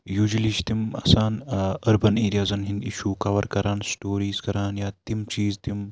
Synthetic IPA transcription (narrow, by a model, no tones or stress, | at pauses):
juːd͡ʒliʃt̪imɐ̰saːnɐɾbɐneːɾijaːzɐnɦĩnd̪ḭʃuːkɐʋɐɾkɐɾaːnsʈoːɾiːzkɐɾaːnjaːt̪imt͡ʃiːzt̪im